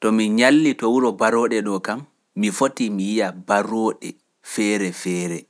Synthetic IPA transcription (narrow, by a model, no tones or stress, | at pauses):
tɔmiɲalːitɔwuɾɔbaɾɔːɗɛɗɔkamː | ifotimijijabaɾɔːɗɛ̰ | fɛːɾɛfɛːɾɛ